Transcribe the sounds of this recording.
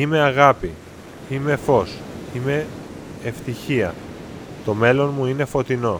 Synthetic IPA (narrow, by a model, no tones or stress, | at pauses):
ime̞ɐɣɐpi | ime̞fo̞sime̞ː | ft̪içiɐ̰ | t̪o̞me̞lo̞nmuine̞fo̞t̪ino̞